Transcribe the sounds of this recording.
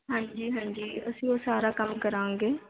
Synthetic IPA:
ɦãːɲd͡ʒiːɦãːɲd͡ʒiːəsĩːoːsaːɾaːkəmkəɾãːŋɡeː

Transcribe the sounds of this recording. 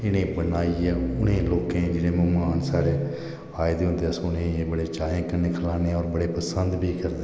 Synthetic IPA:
ɪnẽːbənaːiɛːʊnẽːloːkẽːd͡ʒɪɽẽːmə̃maːnsaːɽeː | aːɪd̪eːɦʊ̃nd̪esʊnẽːeːbəɽeːt͡ʃaːɦẽːkənːeːkʰəlaːneːɔːɾbəɽeːpəsənd̪bʱiːkəɾd̪eː

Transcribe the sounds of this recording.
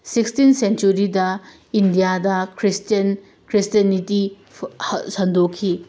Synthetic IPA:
sikstinsent͡ʃuɾidɐ | indijadɐkʰɾistn | kɾisteniti | hsɐndokʰːi

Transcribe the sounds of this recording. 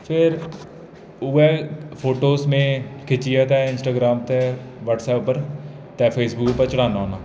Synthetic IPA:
pʰɪɾ | ʊɛːpʰoːʈoːsmẽːkʰɪt͡ʃijat̪ɛ̃ːɪnsʈaːɡɾaːmt̪ɛːʋaːʈsɛːppəɾ | t̪ɛ̃ːpʰeːsbʊkpət͡ʃəɽaːnaoːnaː

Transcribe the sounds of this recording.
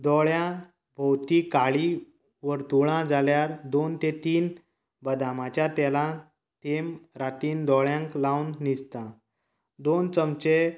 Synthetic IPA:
d̪ɔɭjã | bʱəwt̪ikaɭi | ʋəɾt̪uɭãd͡zaljaɾd̪ont̪et̪iːn | bəd̪ʱamat͡ɕjat̪ɛlã | t̪emɾat̪iːnd̪ɔɭjãŋklawnːist̪ã | d̪ont͡səmt͡ɕe

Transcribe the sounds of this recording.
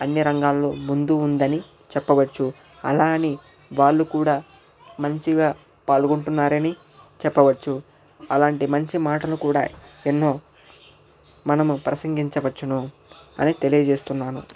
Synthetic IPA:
ɐnːiɾɐŋɡaːlːo̞ːmund̪uːnd̪ɐni | t͡ʃɛpːɐʋɐt͡ʃːu | ɐ̰laːni | ʋaːɭːukuːɽaː | mɐɲt͡ʃiɡaː | paːlɡuɳʈunːaːɾɐni | t͡ʃɛpːɐʋɐt͡ʃːu | ɐlaːɳʈimɐɲt͡ʃimaːʈɐlukuːɽa̰ːenːo̞ː | mɐnɐmpɾɐsɐŋɡiɲt͡ʃɐʋɐt͡ʃːɐnu | ɐ̰nit̪e̞lijɐd͡ʒe̞ːst̪unːaːnṵ

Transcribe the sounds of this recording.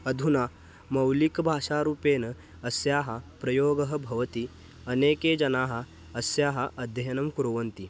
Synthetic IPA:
ɐd̪ʱuna | mɐwlikbʱaːʂaɾuːpeːnɐ | ɐsjaːɦɐpɾɐjoːɡɐɦɐ̆bʱɐʋɐt̪i | ɐneːkeːd͡ʒɐnaːɦɐ̆ː | sjaːɦɐʔɐd̪ʱjɐjɐnɐmkuɾɐʋɐnt̪i

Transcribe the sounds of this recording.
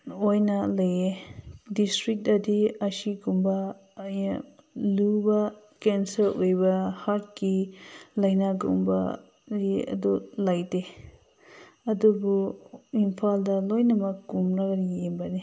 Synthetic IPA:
ojnɐlajedistɾik̚dadiɐsiɡumbaj | luba | kensɐɾojbahaɾt̚kilajnaɡṵmba̰ | ɾiɐ̰dulajde | ɐdubuimpʰaldɐlojnamɐkɡumɾaɡaɾiiembani

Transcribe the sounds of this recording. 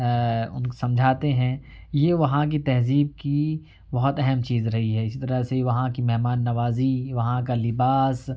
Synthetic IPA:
ʊ̰nksɐ̃md͡ʒʱaːt̪eɦɛ̃ː | jeʋɐɦãk̬it̪ɛɦziːb̚ki | bɐɦɔt̪ɛɦɛmt͡ʃiːzɾɐɦiɦɛɪsit̪ɐɾəseʋɐɦãkimɛɦmaːnːɐʋaːziʋɐɦãkalɪbaːs

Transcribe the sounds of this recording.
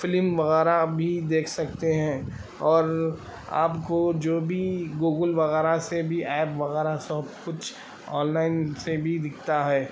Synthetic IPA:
fɪlmʋɐɣɛːɾabʱid̪eːkʰsɐkt̪eɦɛ̃ɔːɾ | a̰ːpkod͡ʒoːbʱiɡuːɡəlʋɐɣɛːɾasebʱiʔɛːpʋɐɣɛːɾasəbkʊt͡ʃʰ | ɔːnlaːɪnsebʱid̪ɪk̚ʰt̪aɦɛː

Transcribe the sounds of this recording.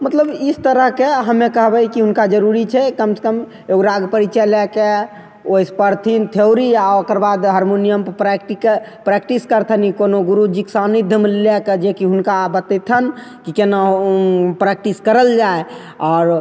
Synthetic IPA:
mət̪ləbist̪əɾəɦkeɦəmekəɦbɛkiɦunkad͡ʒəɾuɾit͡ʃʰɛkəmsə̥kəm | eɡɾaɡpəɾit͡ʃɛlɛke | oispəɾt̪ʰint̪ʰeʊɾiaokəɾbad̪ɦəɾmonijəmppɾkʈik | pɾɛkʈiskəɾt̪ʰənikonoɡuɾud͡ʒiksanid̪ʱjəmlɛked͡ʒekiɦunkabət̪ɛt̪ʰənkikena | pɾɛk̚ʈiskəɾəld͡ʒae | ɔːɾ

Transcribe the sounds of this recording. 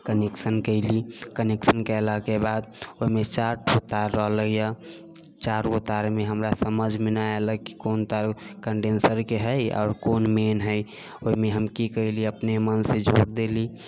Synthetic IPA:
kəneksənkəɪlikəneksənkələkebad̪oɦimẽt͡ʃaɾʈʰot̪aɾːəɦləijə | t͡ʃaɾot̪aɾmẽɦəmɾasəməd͡ʒʱmenaɛləki̥kont̪aɾkəɳɖensəɾkeɦəjɔ̰ːɾkonmenɦəj | oɦimẽɦəmkikəiliəpnemənsed͡ʒo̰ɾd̪eli

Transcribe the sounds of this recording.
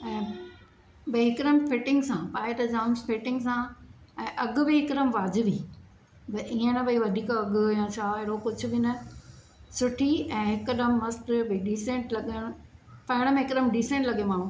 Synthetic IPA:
ɛ̃ː | beɦɪkɾəmfɪʈɪ̃ŋɡsãpaːet̪ɐzaːmsfɪʈɪ̃ŋɡsã | ɛ̃ːʔɐɡʊ̆bɪɦɪkɗəmʋaːd͡ʑɪʋiː | bɐʔiːəɽ̃bɐiʋɐd̪ʱiːkɐɡʊjãːt͡ɕʰaːɦɪɾokʊd͡ʑʱʊ̆bɪnɐ | sʊʈʰiɛ̃ːɦɪkɗɐmːɐsʈbɪɖiːsẽːɳʈlɐɠəɽ̃ʊpɐɦɪɽ̃əmẽɦɪkɗəmɖiːsẽːɳʈlɐɠemaːɽ̤̃ũː

